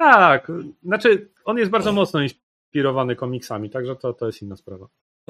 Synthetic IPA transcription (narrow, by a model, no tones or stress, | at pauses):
t̪aknat͡ʂɘ | ɔnjɛst̪̚baɾd̪zɔmɔt̪snɔins | pʲiɾɔvanɘkɔmʲiksamʲit̪aɡʐɛt̪ɔt̪ɔjɛst̪inːaspɾava